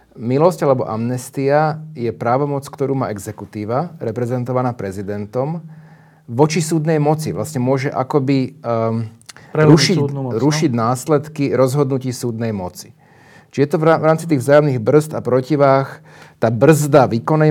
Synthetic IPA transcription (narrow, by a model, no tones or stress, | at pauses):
milɔscalɛbɔ̰ʔa̰mnɛst̪iajɛpɾaːʋɔmɔt͡skt̪ɔɾuːma̰ːʔɛɡzɛkut̪iːʋaɾɛpɾɛzɛnt̪ɔʋanaːpɾɛzid̪ɛnt̪ɔm | ʋɔt͡ʃisuːd̪nɛjmɔt͡siʋlasɲɛmʊɔʒɛʔakɔbi | ɾuʃiɾuʃiɟnaːslɛt̪kiɾɔzɦɔd̪nuciːsuːd̪nɛjmɔt͡si̥ | t͡ʃijɛt̪ɔʋɾaːmt͡sit̪iːɣvzaːjɔmniɣbr̩zt̪apɾɔciʋaːx | t̪aːbr̩zd̪aʋiːkɔnɛ